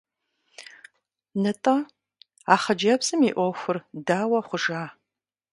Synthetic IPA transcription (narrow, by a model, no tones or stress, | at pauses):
nɨtʼɐ | aːχɐd͡ʒɐbsɨmiːʔʷɔxʷʊrdaːwɐχʷʊʒaː